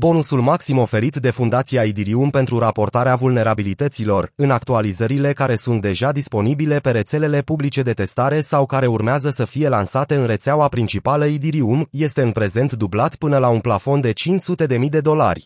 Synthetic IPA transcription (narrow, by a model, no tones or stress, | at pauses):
bo̞nusulmaksimo̞fe̞ɾit̪d̪e̞fund̪at̪sijaid̪iɾiumpe̞nt̪ɾuɾapo̞rt̪aɾeavulne̞ɾabilit̪ət̪silo̞rɨnak̚t̪ualizəɾile̞kaɾe̞sunt̪̚d̪e̞ʒad̪ispo̞nibile̞pe̞ɾe̞t̪se̞le̞le̞publit͡ʃe̞d̪e̞t̪e̞st̪aɾe̞sawkaɾe̞urmeazəsəfije̞lansat̪e̞ɨnre̞t̪seauwapɾint͡ʃipaləid̪iɾiumje̞st̪e̞ɨnpɾe̞ze̞nt̪d̪ublat̪pɨnəlaunplafo̞nd̪e̞t͡ʃint͡ʃsut̪e̞d̪e̞mijd̪e̞d̪o̞la̰rʲ